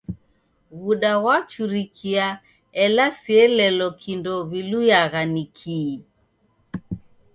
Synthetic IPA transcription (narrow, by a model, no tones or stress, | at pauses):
ɣuɗawat͡ʃuɾikʰia | ɛlasiɛlɛlɔkʰindɔβilujaɣanikʰiː